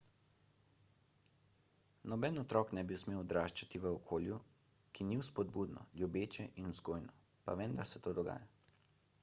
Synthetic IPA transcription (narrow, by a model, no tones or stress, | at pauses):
nɔbɛnɔt̪ɾɔknɛbiwsmeːwɔd̪ɾaːʃt͡ʃat̪iʋəɔkʰoːlju | kiniwspɔd̪̚buːd̪nɔ̰ljubeːt͡ʃɛʔinuzɡoːjnɔ | pa̰ʋend̪aɾsɛt̪oːd̪ɔɡa̰ːja